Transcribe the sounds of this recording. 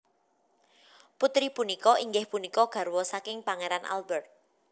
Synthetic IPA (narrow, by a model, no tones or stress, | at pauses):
put̪ɾipunikɔiŋɡɪhpunikɔɡ̥ä̤ɾwɔsakɪŋpaŋeɾanʔa̰lbərt̪̚